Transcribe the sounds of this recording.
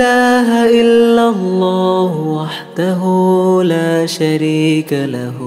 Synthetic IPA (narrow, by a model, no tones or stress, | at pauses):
aːɦaʔɪlːalːaːhwaħd̪aɦulaːʃaɾiːkalah